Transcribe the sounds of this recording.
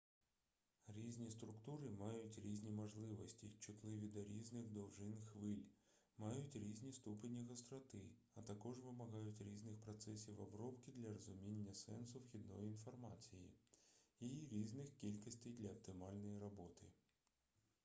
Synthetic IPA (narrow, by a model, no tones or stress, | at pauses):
ɾʲizʲnʲist̪ɾʊkt̪uɾɪmɑjʊtʲɾʲizʲnʲimɔʒlˠɪʋɔsʲtʲit͡ʃɪt̪lˠɪʋʲid̪ɔɾʲiznɪxd̪ɔwʒɪnxʋɪlʲ | mɑjʊtʲɾʲizʲnʲist̪upenʲːiɣɔst̪ɾɔt̪ɪ | ɐt̪ɐkɔʒʋɪmɐɦɑjʊtʲɾʲiznɪxpɾɔt̪sɛsʲiwɔbɾɔpkʲɪd̪lʲɐɾɔzʊmʲinʲːɐsɛ̰nsʊwxʲid̪nɔ̰jiinfɔrmɑt͡sʲijḭ | iɾʲiznɪxkʲilʲkɔsʲtʲejd̪lʲɐːp̚t̪ɪmɑlʲnɔjiɾɔbɔt̪ɪ